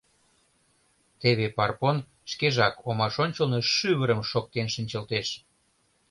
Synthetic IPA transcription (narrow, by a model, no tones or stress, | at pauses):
t̪eβepɑrpon | ʃkeʒɑkomɑʃonʲt͡ɕəlnoʃyβəɾəmʃok̪̚ːenʃənʲt͡ɕəlt̪eʃ